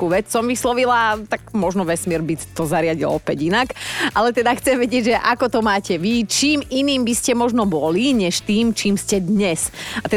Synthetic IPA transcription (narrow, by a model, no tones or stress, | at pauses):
uːʋɛt͡ssɔmʋislɔʋilat̪aɡmɔʒnɔʋɛsmɪɛɾbit̪ɔzaɾɪaɟilɔpɛɟinakalɛt̪ɛd̪axt͡sɛmʋɛɟɪɛɟʒɛʔakɔt̪ɔmaːcɛʋit͡ʃiːminiːmbiscɛmɔʒnɔbɔliɲɛʃt̪iːmt͡ʃiːmscɛd̪ɲɛsat̪ɛ